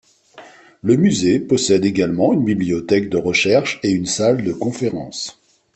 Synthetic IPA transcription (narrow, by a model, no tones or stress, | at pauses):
ləmyzepɔsɛd̪eɡalmɑ̃ynbibliɔt̪ɛkd̪əʁəʃɛʁʃeynsald̪əkɔ̃feʁɑ̃s